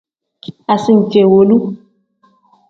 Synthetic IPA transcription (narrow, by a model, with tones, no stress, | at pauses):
a˨si˦n̩˨t͡ʃe˨wo˨lu˦